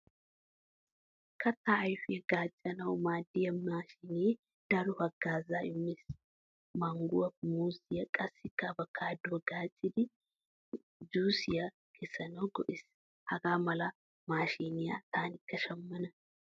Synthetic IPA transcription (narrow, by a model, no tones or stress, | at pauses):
kɐt̪ːaʔɐjfɪjɐɡ̥aːt͡ʃʼːɐnɐwmaːd̪ɪjɐmaːʃine | d̪̥ɐlʊhɐɡaːzaːɪmːɪs | mɐŋɡʊwɐfmuːsɪjɐkʼɐsɪkːɐbɐkʰːaːd̪oːɡ̥aːt͡ʃʼːɪd̪ɪ | d͡ʒuːsɪjɐ | kʰɛsːɐnɐwɡɔʔɪs | hɐɡaːmɐlɐ | maːʃiːnɪja̰t̪aːnɪkːɐʃɐmːɐnɐ